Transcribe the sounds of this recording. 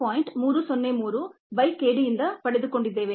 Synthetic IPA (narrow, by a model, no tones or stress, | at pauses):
aːjiɳʈmuːɾusonːemuːɾu | bɐjkeːɽijind̪ɐpɐɭed̪ukoɳɖid̪ːe̞ːʋe